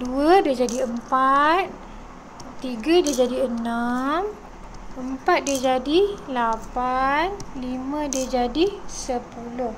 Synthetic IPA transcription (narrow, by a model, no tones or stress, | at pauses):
duadiəd͡ʒadiəmpat̪̚ː | iɡadid͡ʒadiənam | əmpat̪̚did͡ʒadilapanlimə̃dəd͡ʒadisəpulʊh